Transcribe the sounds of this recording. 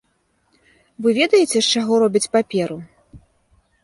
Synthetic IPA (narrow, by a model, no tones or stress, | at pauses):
vɨvʲɛd̪ɐjɛt͡sʲɛʂt͡ʂaɣɔɾɔbʲit͡sʲpapʲɛɾu